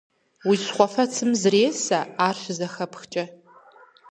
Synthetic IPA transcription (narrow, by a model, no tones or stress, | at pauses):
wisχʷɔfɐt͡sʰɨmzreːsɐaːrɕʷzɐxɐpxt͡ʃʼɐ